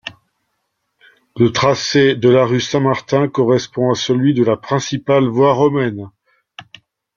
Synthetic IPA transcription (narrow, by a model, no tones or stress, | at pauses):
lət̪χased̪əlaʁysɛ̃maʁt̪ɛ̃kɔʁɛspɔ̃asəlɥid̪əlapχɛ̃sipalvwaʁɔmɛn